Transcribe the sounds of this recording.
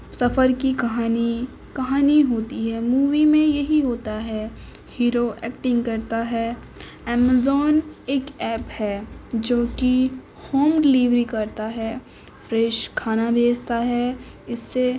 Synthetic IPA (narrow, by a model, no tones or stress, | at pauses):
sɐfəɾkikɐɦaːni | kɐɦaːniɦoːt̪iɦɛːmuːʋimẽjɐɦiɦoːt̪aɦɛ | hiːɾoɛːkʈɪ̃ŋɡkɐɾt̪aɦɛː | ɛːmazɔːneːkɛːphɛːd͡ʒoːki | hoːmɖɪliːʋɾikɐɾt̪aɦɛː | fɾeːʃkʰaːnabʱeːst̪aɦɛ | ɪsːe